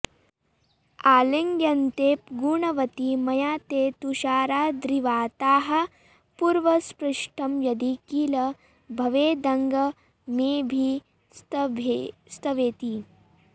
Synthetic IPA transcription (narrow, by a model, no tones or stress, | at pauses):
aːleŋɡjɐnt̪eːp̚ɡuːɳɐʋɐt̪imɐjaːt̪eːt̪uʃaːɾaːd̪ɾiʋaːt̪aːɦɐ̆ | puɾʋɐspɾɐʂʈɐmjɐd̪ikiːlɐ | bʱɐʋeːd̪ɐŋɡɐ | meːbʱi | sbʱst̪ɐʋeːt̪i